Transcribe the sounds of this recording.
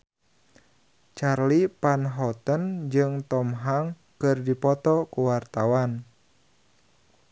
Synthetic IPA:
t͡ʃarlipanɦɔt̪ənd͡ʒɨŋt̪ɔmɦaŋ | kɨrdipɔt̪ɔkuwart̪awan

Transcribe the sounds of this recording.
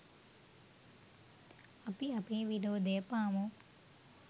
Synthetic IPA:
ɐpiɐpiʋidoːd̪eːpaːmu

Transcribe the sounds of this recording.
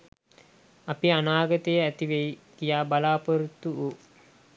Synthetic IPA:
apianaːɡət̪əjəæt̪iʋeikijaːbalaːpəɾut̪ːuu

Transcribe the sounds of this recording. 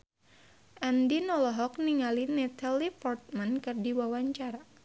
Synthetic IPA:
ʔandinɔlɔɦɔk̚niŋalinɛt̪ʰalipɔrt̪̚mankɨrdiwawaɲt͡ʃaɾa

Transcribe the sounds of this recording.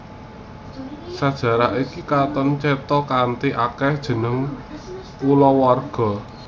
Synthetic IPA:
sad̥ʒ̥ä̤ɾaʔikikat̪ɔnt͡ʃɛt̪ɔkant̪iʔakɛhd̥ʒ̥ə̤nəŋ | ulɔwarɡ̥ɔ̤

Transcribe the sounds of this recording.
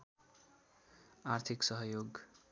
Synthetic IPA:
art̪ʰiksʌɦʌjoɡ

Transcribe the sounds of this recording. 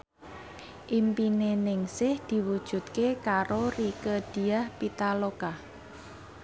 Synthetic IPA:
ʔimpinenɪŋsɪhd̪̥i̤wud̥ʒ̥ṳt̪kekaɾorikəd̪̥i̤ahpit̪alokah

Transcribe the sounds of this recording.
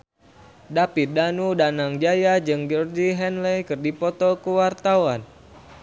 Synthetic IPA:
dapit̪̚danudanaŋd͡ʒajad͡ʒɨŋd͡ʒɔrd͡ʒiɦɛnlɛjkɨrdipɔt̪ɔkuwart̪awan

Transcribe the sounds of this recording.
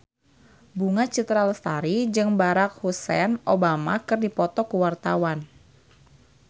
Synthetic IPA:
buŋat͡ʃit̪ɾalst̪aɾid͡ʒɨŋbaɾak̚husɛnʔobama̰kɨrdipɔt̪ɔkuwart̪awan

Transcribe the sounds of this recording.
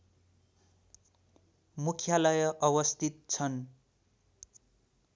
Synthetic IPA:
mukʰjalʌjʌʔʌβʌst̪ʰit̪̚t͡sʰʌn

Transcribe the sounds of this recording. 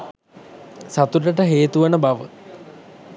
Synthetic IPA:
sat̪uʈəʈəɦeːt̪uʋənəbaʋə̰

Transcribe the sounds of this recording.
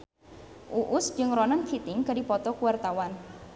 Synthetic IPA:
ʔuʔʊsd͡ʒɨŋɾɔnənt̪ʰit̪ɪŋkadipɔt̪ɔkuwart̪awan

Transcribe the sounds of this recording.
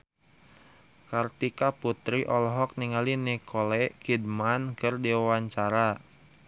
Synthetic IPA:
kart̪ikaput̪ɾiʔɔlɦɔk̚niŋalinikʰolɛkidmankɨrdiwawaɲt͡ʃaɾa

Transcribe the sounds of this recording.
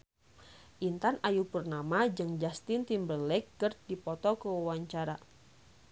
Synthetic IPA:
ʔint̪anajupərnamad͡ʒɨŋd͡ʒast̪ɪnt̪imbərlɛkːərdipɔt̪ɔkəwawaɲt͡ʃaɾa

